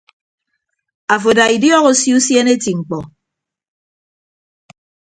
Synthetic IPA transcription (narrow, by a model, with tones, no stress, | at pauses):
a˨fo˨da˨i˨djɔ˦ɣo˦sju˦sje˦ne˦ti˨ŋ͡m̩˨k͡pɔ˨